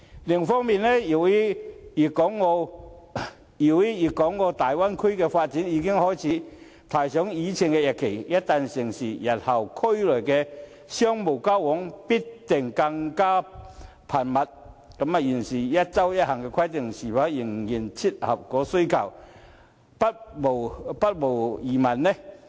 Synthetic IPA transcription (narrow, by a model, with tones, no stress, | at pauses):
lɪ˨˩ŋfɔː˥ŋmiː˨nlɛ˥ji˨˩wi˥jiː˨˩kɔː˨˥ŋːɔ˧ | ji˨˩wi˦˥jiː˨˩kɔː˨˥ŋːɔː˧t̪aː˨˩jwa˥nkʰʊ˥ɥkɛː˧faː˧t̚t͡siː˨˥njiː˨˧kɪ˥ŋhɔː˥˩jt͡sʰiː˨˦˥ | t̪ʰaː˨˩jsœː˨˥ŋjiː˨˧t͡sʰɪ˨˩ŋkɛː˧jɐ˨t̚kʰe˨˩jjɐ˥t̚t̪a˨˧nsɪ˨˩ŋsiː˨˩jɐ˨˩t̚hɐ˨˩wkʰɵ˥ɥlɵ˨˩jkɛː˧ | sjœ˥ŋmo˨˩wkaː˥wwɔ˨˥ŋpi˥tt̪ɪ˨˩ŋkɐ˧ŋkaː˥ | pʰaː˨˩nmɐ˨t̚ | kɐ˨˦˥ma˨˧ji˨˩nsiː˨˩jɐ˥t̚t͡sɐ˥wjɐ˥t̚hɐ˨˩ŋkɛ˧kʰɐ˥jt̪ɪ˨˩ŋsiː˨˩faː˨˥jɪ˨˩ŋji˨˩nt͡sʰi˥t̚hɐ˨˩p̚kɔː˨˥so˥kʰɐ˨˩w | pɐ˥t̚mo˨˩wpɐ˥t̚mo˨˩wjiː˨˩mɐ˨˩nnɛ˦˩